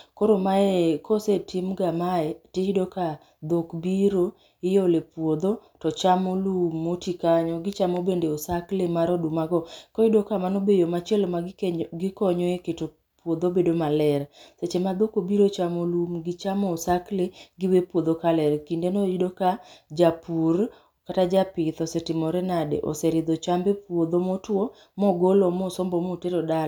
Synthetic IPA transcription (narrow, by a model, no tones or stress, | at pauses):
koɾomaekʰosetʰɪmɡamaɛteidoka | d̪okbiɾo | ɪjolepwod̪otɔt͡ʃamolumːotikaɲɔɡɪt͡ʃamobendeosaklemaɾɔdumaɡɔkɔidokamanobejomat͡ʃiɛlmaɡɪkɔɲɔeketo | pwod̪obedomalɛɾset͡ʃemad̪okobiɾot͡ʃamolumɡɪt͡ʃamɔːsakleɡɪwepwod̪okalɛɾkindenoidokad͡ʒapur | katad͡ʒapɪt̪ɔsɛtɪmɔɾɛnadḛʔɔ̰sɛɾɪd̪ɔt͡ʃambepwod̪omotwo | mɔɡolɔmɔsɔmbɔmoteɾɔdal